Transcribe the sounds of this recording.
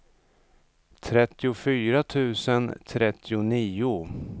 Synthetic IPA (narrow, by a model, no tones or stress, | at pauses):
t̪ʰɾɛt̪ːɪʊfyːɾat̪ʰʉ̟ːsənt̪ʰɾɛt̪ʰːɪʊniːʊ